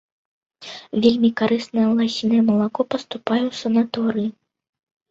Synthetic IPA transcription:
vʲelʲmʲikaɾɨsnɐjɐlˠasʲinɐjɐmɐlˠakɔpɐst̪upajɛwsɐnat̪ɔɾɨji

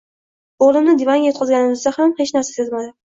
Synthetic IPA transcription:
oʁlˠɪmnɪd̪evanɡʲajot̪̚qʰɒzɡʲanɪmʊzd̪ahamhe̞t͡ʃnaɾsasazmad̪ɪ

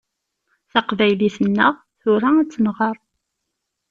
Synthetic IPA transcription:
θɑqvæjliθənːəʁ | θʊɾææt͡sːənʁɑɾˤ

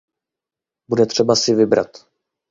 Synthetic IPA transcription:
budɛt̪r̝̥ɛbasɪvɪbɾa̰t̪

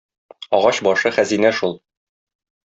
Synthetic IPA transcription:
ɒʁɑɕbɒʃɤχæzinæʃulˠ

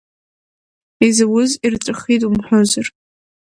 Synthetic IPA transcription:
izɨwʊzirt͡sʼɨχitʼumħʷᶣozar

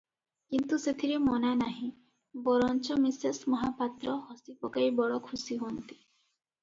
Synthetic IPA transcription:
kint̪uset̪ʰiɾemɔnanaɦĩ | bɔɾɔnt͡ʃɔmisesmɔɦapat̪ɾɔhɔsipɔkajbɔɭɔkʰusiɦont̪i̥

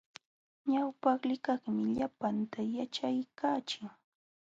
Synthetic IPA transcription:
ɲawpɑχlɪkɑχmɪʎapant̪ajat͡ʃajkaːt͡ʃɪŋ

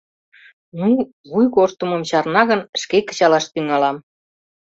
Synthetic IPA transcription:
nu | βujɣoʃt̪umə̆mt͡ɕɑrnɑɣənʃkekə̥̆t͡ɕɑlɑʃt̪yŋɑlɑm

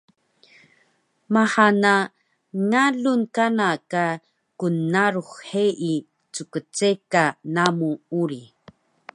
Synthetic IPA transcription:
maħana | ŋaɮunkanaka | kunːaɾuχħeʔi | t͡sukət͡sekanamuuɾi

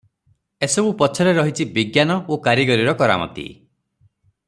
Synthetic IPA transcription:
esɔbupɔt͡ʃʰɔɾeɾɔɦit͡ʃʰibiɡjanɔokaɾjiɡɔɾiɾɔkɔɾa̰mɔ̰nt̪ḭ

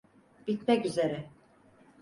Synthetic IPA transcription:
b̥it̪mɛkyzeɾɛ

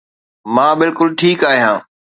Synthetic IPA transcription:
mãːbɪlkʊlʈʰiːkaːɦijãː

